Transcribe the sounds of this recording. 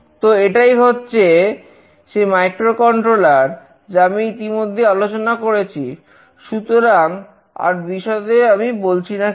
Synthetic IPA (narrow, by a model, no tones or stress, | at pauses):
t̪oeʈajɦotːɕʰe | ʃemajkɾokɔɳʈɾolaɾ | d͡ʑamiit̪imod̪ʱːealot͡ɕonakoɾet͡ɕʰi | ʃut̪oɾaŋ | a̰ɾbiʃɔed̪eɾamibolt͡ɕʰina